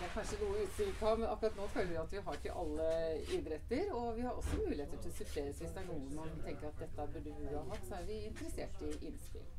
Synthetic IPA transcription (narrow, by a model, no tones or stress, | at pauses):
æɾkʰɑnʂənuːəʉːt̪sɪlkɑmɛnɑkʉɾɑt̪noːt̪ʰɛləʋɪɑt̪ʋɪɦɑɾɪkːə̰ʔɑlːəɪd̪ɾɛt̪ːəɾɔʋɪhɑɾʔɔ̰sːɔmʉːlɪeːt̪əʈ̪ʰɪlɔsʏpʰleːɾəsʋɪsd̪ɛæɳuːənmɑnt̪ʰɛŋkəɾɑt̪̚d̪ɛt̪ːəbʉɖəʋɪɑhɑt̪ːsɔæɾʋɪɪnt̪əɾəseːʈːɪʔɪnːspɪ̰l